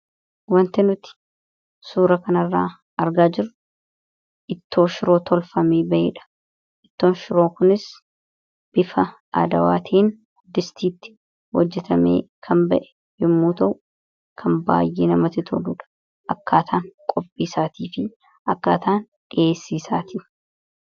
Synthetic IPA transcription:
wɐnt̪ɪnʊt̪ɪ̥ | suːɾɐkɐnɐrːaː | ʔɐɾɡaːd͡ʒɪɾʊ | ʔɪt̪ːo̞ːʃɪɾo̞ːt̪ʰɔlfɐmeːbɐʔḛːᶑɐ̥ | ʔɪt̪ːo̞ːnʃɪɾo̞ːkʊnɪs | b̥ɪfɐ | a̰d̪ɐwa̰ːt̪ʰiːn | d̪ɪst̪iːt̪ːɪ̥ | wɔd͡ʒːɛt̪ɐmḛː | kʰɐmbɐʔɛ̥ | jɪmːuːt̪ɐʔʊ | kʰɐmba̰ːjːeːnɐmɐt̪ɪt̪ʰɔ̰luːᶑɐ̥ | ʔɐkːaːt̪ʰaːŋkʼɔpʼːiːsaːt̪iːfɪ | ʔɐkːaːt̪aːn | ᶑɪeːsːiːsaːt̪iː

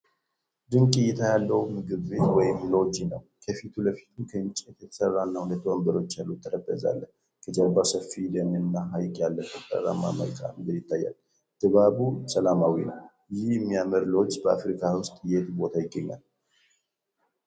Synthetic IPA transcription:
d̪ɨŋkʼɨjɛt̪ʰajalːəwmɨɡɨβbet̪wɔjɪmlo̞d͡ʒinə̰w | kʰəfit̪ʰuləfi̥t̪ʰukʰəɨnt͡ʃʼːet̪jɛt̪ʰə̥sərːanːahunət̪ʰːwəmbəɾo̞t͡ʃːjalːut̪ʰːəɾəbːəza̰lːəh | kʰəd͡ʒabasəfːilənnːaɦajkʼjalːəkʰət̪ʼə̰rːa̰mːa̰məa̰lkʼa̰mɨɡɨd̪jɪt̪ʰːajːa̰l | d̪̥ɨβabusəlamawinə̰w | jɪhɨmːijaməɾlo̞d͡ʒbəafɾikʰawʊst̪ʼjet̪bo̞t̪ʰajɪɡːəɲːa̰l

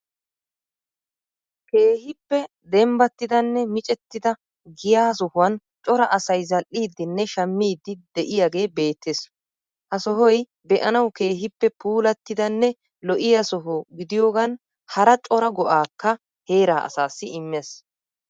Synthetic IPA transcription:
ke̞ːhɪpːɛ | d̪ɛmbɐt̪ːɪd̪ɐnːɛmɪt͡ʃʼɛt̪ːɪd̪ɐ | ɡɪjaːs̬ɔhʊwɐn | t͡ʃʼɔɾɐʔɐsɐjzɐlʔːiːd̪ːɪnːɛʃɐmːiːd̪ːɪd̪̥ɛʔɪjaɡe̞ːbe̞ːt̪ːes | hɐsɔɦɔj | bɛʔɐnɐwke̞ːɦɪpːɛpuːlɐt̪ːɪd̪ɐnːɛ | lɔʔɪjɐsɔɦɔɡɪd̪ɪjo̞ːɡɐn | hɐɾɐt͡ʃʼɔɾɐɡɔʔaːkːɐ | he̞ːɾaːʔɐ̰saːsːɪɪmːes

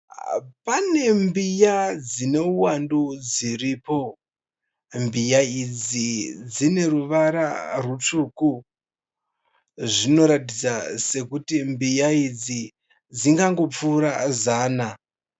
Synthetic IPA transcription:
pane̞mbijad͡zine̞uwandud͡ziriːpo̞ | mbijaid͡zid͡zine̞ruʋaɾa̰rut͡ʂuku | ʐino̞ɾatid͡zase̞kutimbijaid͡zi | d͡ziŋɡaŋɡo̞p͡fuːɾazaːna

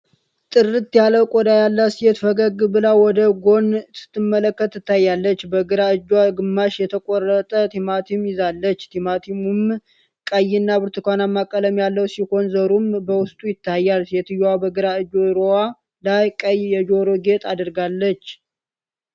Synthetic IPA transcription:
t̪ʼɨrɨt̪jaləkʼod̪ajalːasijɛt̪fəɡəɡɨbɨlawɔd̪əɡo̞nɨ̥t̪ːɨmːələkːət̪ːɨt̪ʰːajːalːət͡ʃːbəɡɨɾaɨd͡ʒwaɡɨmːaʃjɛt̪ʰəkʼorːət̪ʼət̪ʰimat̪ʰimjɪzalːət͡ʃːt̪ʰimat̪ʰimum | kʼəjːɪnːabɨɾt̪ʰɨkʰʷanamːakʼːələmjalːəwsiho̞nzəɾumbəwʊst̪ʼujɪt̪ʰːajːalsjɛt̪ʰɨjwabəɡɨɾaɨd͡ʒoɾowa | lajkʼəjjɛd͡ʒo̞ɾoɡe̞t̪ʰʼad̪ɨɾɡalːət͡ʃː

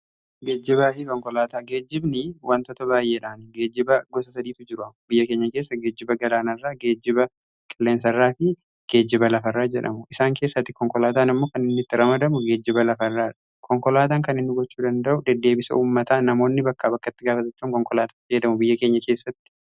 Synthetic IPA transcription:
ɡe̞ːd͡ʒːɪbaːfɪkʼɔŋkɔlaːt̪aːɡe̞ːd͡ʒːɪbnɪwʔant̪ɔt̪ɐbaːjʔeːᶑaːnɪɡe̞ːd͡ʒːɪbɐɡɔsɐsɐd̪iːt̪ʊd͡ʒɪɾʊɐmbɪjːɐke̞ːɲːɐke̞ːsːɐɡeːd͡ʒːɪbɐɡɐlaːnɐrːaːɡe̞ːd͡ʒːɪbɐ | kʼɪlːe̞ːnsɐrːaːfɪ | ɡ̥eːd͡ʒːɪbɐlɐfɐrːaːd͡ʒɛ̰ᶑɐ̰mʊʔɪsaːŋke̞ːsːɐt̪ːɪkɔŋkɔlaːt̪aːnɪmːo̞ːkɐnɪnːɪt̪ːɪɾɐmɐd̪ɐmʊɡe̞ːd͡ʒːɪbɐlɐfɐrːaːᶑɐ̥ | kɔŋkɔlaːt̪aːŋkɐnɪnːʊɡɔt͡ʃːuːd̪ɐnd̪ɐʔʊd̪ɛd̪ːe̞ːbɪsɐ̰uːmːɐt̪aːnɐmo̞ːnːɪbɐkːaːbɐkːɐt̪ːɪɡaːfɐt̪ɐt͡ʃːuːŋkʼɔŋkɔlaːt̪ḁːɪjɛd̪ɐmʊbɪjːɐke̞ːɲːɐke̞ːsːɐt̪ːɪ̥

